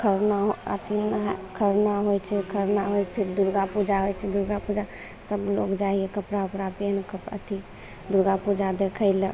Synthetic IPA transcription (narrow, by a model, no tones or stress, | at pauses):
kʰəɾnaɦoə̰t̪inkʰəɾnaɦojt͡ʃʰɛkʰəɾnaɦojpʰiɾd̪uɾɡapud͡ʒaɦojt͡ʃʰɛd̪uɾɡapud͡ʒa | səblokd͡ʒaiekəpɾaupɾapenkəpə̰t̪i | d̪uɾɡapud͡ʒad̪ekʰəɪlə